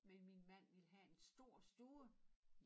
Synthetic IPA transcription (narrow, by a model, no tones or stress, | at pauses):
menminmæn̰ʋiləɦæe̝nsd̥o̝ɐ̰sd̥uːə